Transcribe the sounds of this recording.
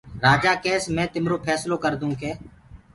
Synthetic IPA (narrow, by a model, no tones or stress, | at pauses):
ɾaːd͡ʒaːkeːsmɛ̃ːt̪ɪmɾoːpʰɛːsloːkəɾd̪ũːkeː